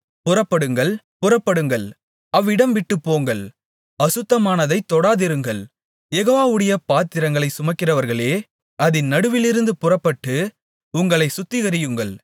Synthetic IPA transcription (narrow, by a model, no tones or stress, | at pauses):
pʊrɐpːɐɽɯŋɡɐɭ | pʊrɐpːɐɽɯŋɡɐɭ | ɐʋːɪɽɐmʋɪʈːɯpːoːŋɡɐɭ | ɐsɯt̪ːɐmaːnɐðɐɪt̪ːɔɽaːðɪɾɯŋɡɐɭ | jɛɣoːʋaːʋɯɽɐjɐpaːt̪ːɪɾɐŋɡɐɭɐɪsʊmɐkːɪrɐʋɐɾɣɐɭeː | ɐðɪnnɐɽɯʋɪlɪɾɯnd̪ɯpʊrɐpːɐʈːɯ | ʊŋɡɐɭɐɪsʊt̪ːɪɣɐɾɪjɯŋɡɐɭ